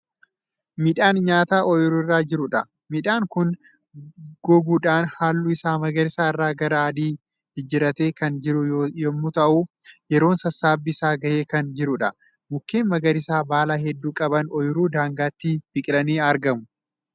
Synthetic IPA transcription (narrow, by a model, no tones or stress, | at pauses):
mɪᶑaːnɲaːt̪aːʔɔjʊɾʊɪrːaːd͡ʒɪɾʊᶑɐ | mɪᶑaːŋkʊn | ɡ̥ɔɡuːᶑaːnhaːlːʊɪsaːmɐɡɐɾɪsaːɪrːaːɡɐɾɐaːd̪iː | hɪd͡ʒɪɾɐt̪eːkɐnd͡ʒɪɾʊjɔmːʊt̪ɐʔu | jɛɾo̞ːnsɐsaːbːɪsaːɡɐʔeːkɐnd͡ʒɪɾʊᶑɐ | mʊkːeːnmɐɡɐɾɪsaːbaːlaːɦɛd̪ːuːkʼɐbɐnɔjʊɾuːd̪aːŋɡaːt̪ːib̥ɪkʼɪlɐniːɐɾɡɐmʊ